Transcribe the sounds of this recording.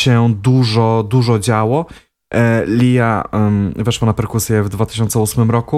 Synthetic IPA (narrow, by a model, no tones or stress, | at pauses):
ɕɛd̪uʐɔd̪uʐɔd͡ʑawɔ | lʲija | vɛʂwanapɛɾkusʲjɛvd̪vat̪ɘ̥ɕɔnt̪sɛusmɘmɾɔku